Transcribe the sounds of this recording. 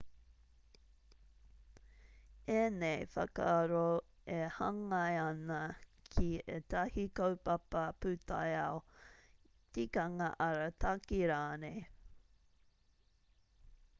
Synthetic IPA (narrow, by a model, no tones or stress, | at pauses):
enejfɐ̰kaɾo | ehɐŋɐjɐnɐkʰietɐhikowpɐpɐpʉtʰa̰jaw | tikɐŋa̰ʔɐɾatʰakiɾaːne